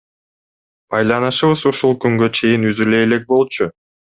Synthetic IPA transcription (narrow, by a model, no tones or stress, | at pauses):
bɑjlˠɑnɯʃɯβɯzuʃulˠkyŋɡø̞t͡ʃʰe̞jinyzyle̞jːle̞k̚bo̞lˠt͡ʃʰu